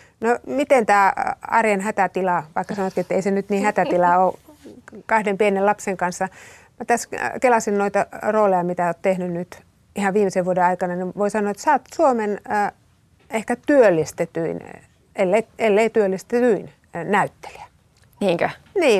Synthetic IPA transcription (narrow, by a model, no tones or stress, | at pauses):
nomit̪ent̪æːɑ̰rjɑnhæt̪æt̪ilɑʋɑikːɑsɑnot̪kiet̪ːeisenyt̪niːhæt̪æt̪ilɑoː | kɑhdempienelɑpseŋkɑnsːɑ | mæt̪æskelɑsinnoit̪ɑroːlejɑmit̪æot̪t̪ehnynnyt̪ | ihɑʋʋiːmeseʋʋuodeɑikɑnɑniʋoisɑnːˑoɑet̪sɑːt̪suomenː | ehkæt̪yølːist̪et̪yin | elːeielːeit̪yølːist̪et̪yin | næyt̪ːe̥li̥æ̥ | niːŋkæ | niː